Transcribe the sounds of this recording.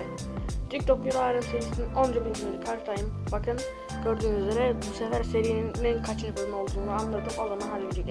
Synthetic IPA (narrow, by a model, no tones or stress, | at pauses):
d̪yc̚t̪ʰopjulˠaɾɯnseɾisininʔo̞nd͡ʒabilmneɾikʰaɾt̪ʰajɯmbakʰɯn | ɟ̥ø̞ɾd̪yːmyzeɾɛbusefæɾse̞ɾijninːænkʰat͡ʃʰɯɾbɯɯno̞lˠd̪uːnuanlˠad̪ɯmolˠanaɦaɾjed͡ʒikʲ